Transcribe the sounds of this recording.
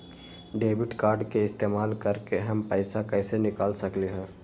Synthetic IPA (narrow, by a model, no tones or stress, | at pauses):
ɖeːbɪʈkaːɾɖkeɪst̪eːmaːlkɐɾkeɦɐmpɛːɪsakɛːsenɪkaːlsɐkleɦɛ̃ː